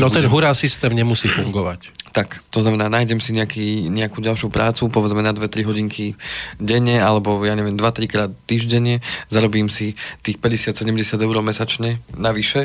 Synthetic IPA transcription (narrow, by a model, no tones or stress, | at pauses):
nɔt̪ɛnɦuɾaːsist̪ɛːmɲɛmusiːfuŋɡɔʋact̪akt̪ɔznamɛnaːnaːjɟɛmsiɲɛakiːɲɛakuːɟalˠʃjupɾʔaːt͡supɔʋɛd͡zmɛnad̪ʋɛt̪ɾiɦɔɟiŋkʰiɟɛɲɛalɛbɔjaːɲɛʋɪɛmd̪ʋat̪ɾikɾaːt̪t̪ːiːʒɟɛɲɪɛzaɾɔbiːmsit̪iːxpɛɟɛsɪat̪sɛɟɛmɟɛsɪad̪ɛʊɾɔmɛsat͡ʃɲɛnaʋiʃɛ